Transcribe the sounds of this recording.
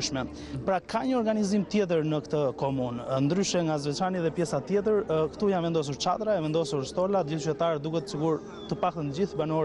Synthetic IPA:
ʃmɛ | pɾakʰaɲəɔɾɡanizimt̪jɛt̪̬əɾnəkt̪əkɔmunnd̪ɾyʃɛŋɡazvɛt͡ʃɾaniðɛpjɛsat̪jɛt̪̬əɾkə̥t̪ujanvɛnd̪ɔs̬uɾt͡ʃa̰d̪ɾaɛvɛnd̪ɔsuɾst̪ɔlat̪d͡ʑilt͡ʃyt̪ɛt̪aɾd̪ukɛt̪ə̥siɡuɾ | t̪əpakt̪ənəd͡ʑiθbanɔ

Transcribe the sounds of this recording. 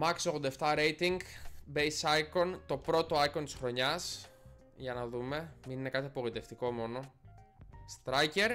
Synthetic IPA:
mɐksoɣod̪ɐeft̪ɐɾe̞jt̪iŋɡbejsɐjko̞nt̪o̞pɾo̞t̪o̞ɐiko̞nt̪i̥sxɾo̞ɲɐs | ʝɐnɐðume̞mininekɐt̪iɐpoɣlit̪e̞ft̪iko̞mo̞no̞ | st̪ɾɐjce̞ɾ

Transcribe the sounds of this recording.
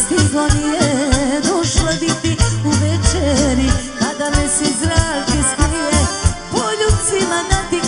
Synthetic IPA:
st̪iɡonijɛd̪oʃlad̪it̪iuʋɛt͡ʃɛɾi | ad̪amɛsizɾakist̪iɛpoʎusimanat̪i

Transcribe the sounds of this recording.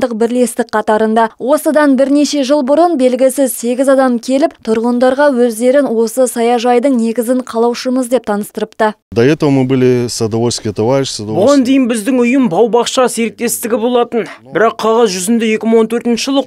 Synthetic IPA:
d̪əqbɪɾle̞st̪ɪk̚qʰɑt̪ɑɾənd̪ɑwo̞səd̪ɑnbɪɾne̞ʃe̞ʒəlˠbʊɾənbe̞lɡʲɪsɪzse̞ɡʲɪzɑd̪ɑmkʲʰe̞lɪp̚t̪ʰʊɾʁənd̪ɑɾʁɑwɵzd̪e̞ɾɪnwo̞səsɑjɑʒɑjd̪əɴne̞ɡʲɪzɪɴqʰɑlˠɑwʃəməzd̪e̞p̚t̪ʰɑnəst̪əɾəpt̪ə | d̪ajet̪oməbɪlʲesad̪owoskʲet̪ovajet͡ʃsad̪bʊʁɑnd̪e̞jɪnbɪzd̪ɪŋʊjəmbɑwbɑqʃɑse̞ɾɪk̚t̪e̞st̪ɪɡʲɪbo̞lˠɑt̪ənbɪɾɑqʰːɑʁɑzʒʏzɪnd̪eje̞kʲɪməɴwont̪ʰɵɾt̪ɪnʃəʒəlˠə

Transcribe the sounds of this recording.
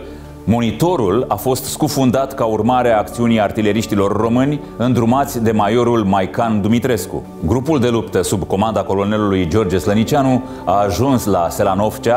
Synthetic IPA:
mo̞nit̪o̞ɾulafo̞st̪skufund̪at̪kaurmaɾeaːk̚t̪siunijart̪ile̞ɾiʃt̪ilo̞rːo̞mɨnʲ | ɨnd̪ɾumat̪sʲd̪e̞majo̞ɾulmajkand̪umit̪ɾe̞skṵ | ɡɾupuld̪e̞lupt̪əsubko̞mand̪ako̞lo̞ne̞lulujd͡ʒo̞rd͡ʒeslənit͡ʃianu | aːʒunslase̞lano̞ft͡ʃa

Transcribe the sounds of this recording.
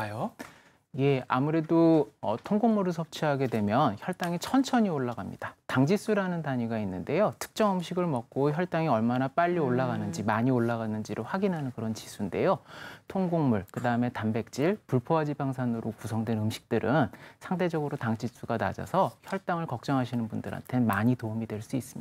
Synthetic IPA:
ajo | je̞a̰muɾe̞doʌtʰoŋɡoŋmuɾɯɭsʰʌp̚t͡ɕʰiɦaɡe̞dwe̞mjʌnçjʌɭt͈aŋit͡ɕʰʌnt͡ɕʰʌɲioɭːaɡamɲḭd̥ataŋd͡ʑis͈uɾanɯntaɲiɡainːɯnde̞jotʰɯ̥k̚t͡ɕ͈ʌŋɯmɕʰiɡɯɭmʌk̚k͈oçjʌɭt͈aŋiʌɭmanap͈aʎːioɭːaɡanɯnd͡ʑimaɲioɭːaɡanɯnd͡ʑiɾoɸwaɡinɦanɯnkɯɾʌnt͡ɕisʰunde̞̰jotʰoŋɡoŋmuɭkɯdaɯme̞tambe̞k̚t͡ɕ͈iɭpuɭpʰoad͡ʑibaŋsʰanɯɾokusʰʌŋdwe̞nɯmɕʰi̥k̚t͈ɯɾʔɯnsʰaŋtʰe̞d͡ʑʌɡɯɾotaŋt͡ɕis͈uɡana̰d͡ʑa̰sʰʌçjʌɭt͈aŋɯɭkʌk̚t͡ɕ͈ʌŋɦaɕʰinɯnbundɯɾa̰ntʰe̞maɲitoumidwe̞ɭs͈uis͈ɯ̥mɲi̥a

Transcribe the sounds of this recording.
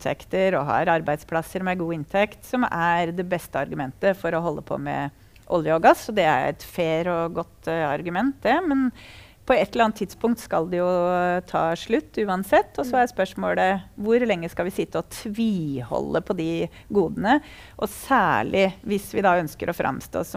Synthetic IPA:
t̪ʰɛ̰kt̪əɾɔɦɑ̰ɾɑɾbæɪd̪spʰlɑsːəɾmɛɡuːɪnt̪ʰɛkt̪sɔmæɾd̪ɛbɛst̪əɑɾɡʉmɛnt̪əfɔɾɔɦɔlːʔəpʰɔ̰mɛ̰ | ʔɔljəɔɡɑsːɔd̪ɛæ̰ɾɛ̰t̪feːɾɔɡɔt̪ːɑɾɡʉmɛnt̪d̪ɛmɛn | pʰɔɛt̪ːəɾɑnt̪ʰːɪd̪spʊŋkt̪skɑld̪ɛjʊt̪ʰɑ̰ːʂɭʉt̪ːʉːɑnsɛt̪ːɔsɔæɾɛspœʂmoːləʋʊɾlɛŋːəskɑlʋɪsɪt̪ːəɔt̪ʰʋiːhɔ̰lːəpʰɔd̪ɪ | ɡuːd̪ənə | ʔɔsæːɭɪʋɪsʋɪd̪ɑœnskəɾʔɔfɾʔɑ̰mst̪o̰ːs

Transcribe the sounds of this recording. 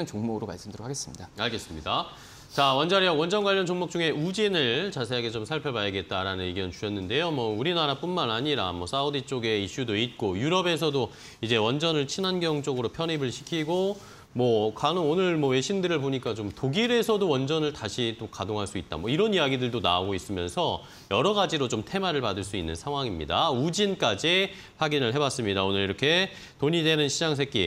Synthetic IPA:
ɯnt͡ɕoŋmoɡɯɾoma̰ɭs͈ɯmdɯɾokʰaɡes͈ɯmɲidaaɭɡe̞s͈ɯmɲida | t͡ɕawʌnd͡ʑaɾiʌwʌnd͡ʑʌnɡwaʎjːʌnt͡ɕoŋmok̚t͡ɕ͈uŋe̞ud͡ʑinɯɭt͡ɕasʰeaɡet͡ɕomsʰaɭpʰjʌbajʌɡe̞t̚t͈aɾanɯniɡjʌnt͡ɕuɕʰʌnːɯnde̞jomwʌuɾinaɾap͈unmanaɲiɾamwʌs͈ʰaudit͡ɕ͈oɡe̞iɕ͈udoit̚k͈ojuɾʌbe̞s̬ʰʌdo | id͡ʑe̞wʌnd͡ʑʌnɯɭt͡ɕʰinɦanɡjʌŋt͡ɕ͈ʌɡɯɾopʰjʌnibɯɭɕʰi̥kʰiɡo | mwʌkanɯonɯɭmwʌwe̞ɕʰimdɯɾɯɭpoɲik͈at͡ɕomtoɡiɾe̞sʰʌdowʌnd͡ʑʌnɯɭtaɕʰit͈okadoŋɦaɭs͈uit̚t͈a̰mwʌiɾʌnijaɡidɯɭdona̰ɡois͈ɯmjʌ̰nsʰʌ | jʌɾʌɡad͡ʑiɾot͡ɕomtʰe̞maɾɯɭpadɯɭs͈uinːɯnsʰaŋɦwaŋimɲḭda̰ud͡ʑink͈ad͡ʑi | ɸwaɡinɯɭɦe̞bas͈ɯmɲidaonɯɾiɾʌkʰe̞ | toɲidwe̞nɯnɕʰid͡ʑaŋs̬ʰe̞kk͈i

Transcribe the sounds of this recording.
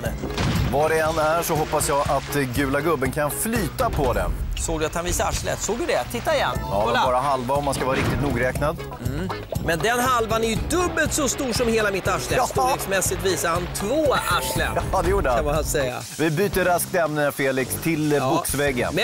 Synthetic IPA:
vaɖɛɛnːæʂɔɦɔpːasjɑːʔat̪ɡʉ̟ːlaɡɵbːənkʰanflyːt̪apʰɔd̪ɛ̰soːɡd̪ɵat̪hanviːsaa̰ʂlɛ̰t̪soːɡ̚d̪ɵd̪ɛt̪ʰɪt̪ːaɪjɛ̰n̰ːɛbɑːɾaɦalvaɔmːanskavɑːɾaɾɪk̚t̪ɪt̪nuːɡɾɛːknad̪ | m̩mɛnd̪ɛnɦalvanæɾjɵd̪ɵbːəlt̪sɔst̪uːʂɔmheːlamɪt̪ːaʂlɛksmɛsːɪt̪viːsaɾhant̪ʰvoːaʂlə̰d̪ɛjuːɖəhaamahansɛjːa̰ | vɪbyːt̪əɾask̚t̪ɛmnəfeːlɪkst̪ʰɪlbʊksvɛɡːə̰n

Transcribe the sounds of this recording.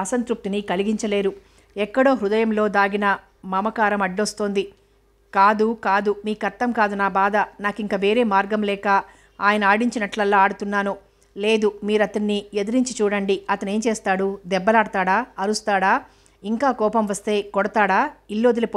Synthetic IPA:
ɐsɐnt̪ɾup̚t̪inikɐliɡiɲt͡ʃɐle̞ːɾu | ɛkːɐɽo̞ːɦɾud̪ɐjɐmlo̞ːd̪aːɡinɐ | mɐmɐkaːɾɐmɐɖːost̪o̞ːnd̪i | kaːd̪ukaːd̪umiːkɐɾt̪ːɐmkaːd̪unaːbaːd̪ɐnaːkiŋkaːʋe̞ːɾe̞ːmaːɾɡɐmlɛːkaː | aːjɐnɐaːɽiɲt͡ʃinɐʈlɐlːaːaːɽut̪unːaːnu | le̞ːd̪umiːɾɐt̪ɐnːied̪iɾiɲt͡ʃit͡ʃuːɽɐɳɖiɐt̪ɐne̞ːnt͡ʃeːst̪aːɽud̪ɛbːɐlaːɽt̪aːɽaːɐɾust̪aːɽaː | iŋkaːkɔːpɐmʋɐst̪e̞ːkɔɽɐt̪aːɽaːilːo̞ːd̪ilɐpː

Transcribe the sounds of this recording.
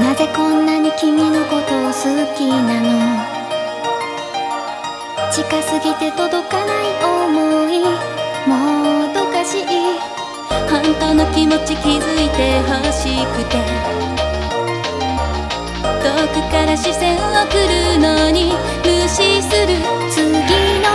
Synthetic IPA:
maze̞kõ̞nːaɲ̟ikʲimʲinoko̞t̪o̞ːsɨɯkʲinamio | t͡ɕikasɨɡʲit̪e̞t̪o̞d̪o̞kanaiʔomoimot̪okaɕiʔi | hõnt̪oːnokʲimo̞t͡ɕikʲizɨit̪e̞ɦaɕikɯ̟t̪e | t̪okʲikaɾaɕisẽ̞ɰ̃oakɯɾɯ̟no̞ɲ̟i | mɯɕisɨɾɯ̟t͡sɨɡʲino

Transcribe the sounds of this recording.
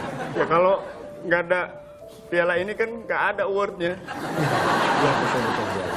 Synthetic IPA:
jakaloŋɡaːda | t̪ialainikanɡaːdauwərt̪̚ɲa | labisabit̪abia̰

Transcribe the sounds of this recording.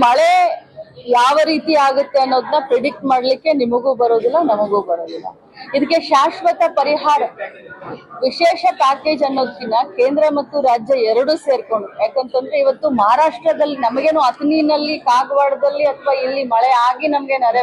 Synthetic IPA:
mɐɭe | jaːʋɐɾiːt̪iaːɡut̪ːe̞ɐnːo̞ːd̪ɐnːɐpɾeɖik̚ʈmaːɽɐlikːe̞nimɐɡuːbɐɾoːd̪ilːɐnɐmɐɡuːbɐɾoːd̪ilːɐ̰ | id̪ɐkːeʃaːʂʋɐt̪ɐpɐɾiɦaːɾɐ | ʋiʃeːʃɐpaːke̞ːd͡ʒɐnːoːd̪ːinːɐke̞ːnd̪ɾɐmɐt̪ːuɾaːd͡ʒjɐɛɾɐɽuseːɾko̞ɳɖujaːkɐnt̪ɐnd̪ɾeiʋɐt̪ːumɐɦaːɾaːʂʈɾɐd̪ɐlːinɐmɐɡe̞ːnuːɐt̪niːnɐlːikaːɡɐʋaːɽɐd̪ɐlːiɐt̪ʰɐʋaːilːimɐɭeaːɡinɐmɐɡe̞nɐɾɐ

